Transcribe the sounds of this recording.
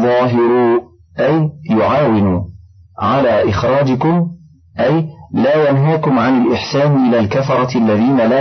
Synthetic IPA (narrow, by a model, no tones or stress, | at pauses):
ðˤɑːɦɪɾu | ʔajjːʊʕaːwɪnuːʕalaːʔɪxɾˤɑːd͡ʒɪkʊm | ʔajlaːjanɦaːkʊmʕanɪlʔɪħsaːnʔɪlaːlkafɑɾˤɑʔalːaðiːnalaː